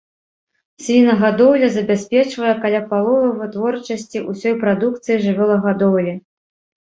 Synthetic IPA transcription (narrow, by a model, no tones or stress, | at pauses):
sʲvʲinɐɣad̪ɔwlʲɐzɐbʲasʲpʲɛt͡ʂvɐjɛkalʲapalˠɔvɐjvɨt̪vɔrt͡ʂɐsʲt͡sʲiʔusʲɔjpɾad̪uk̚t̪sɨjiʐɨvʲɔlˠɐɣad̪ɔwlʲɛ